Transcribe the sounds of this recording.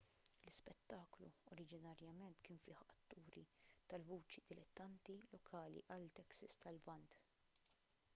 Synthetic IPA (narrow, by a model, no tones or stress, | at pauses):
lɪspɛt̪ːɐːklṵɔɾɪd͡ʒɪnɐɾjɐmɛnt̪kɪːnfɪːħɐt̪ːuːɾit̪ɐlvuːt͡ʃid̪ɪlɛt̪ːɐnt̪ilɔkʰɐːlḭʔɐlt̪ɛksɐst̪ɐlvɐnt̪